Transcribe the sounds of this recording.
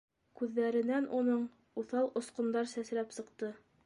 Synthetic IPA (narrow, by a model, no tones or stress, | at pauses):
kʉðːæɾɘ̆nænʔunɤɴ | uθɑlˠŏsqŏnd̪ɑɾsæslæpsɤ̆qt̪ɤ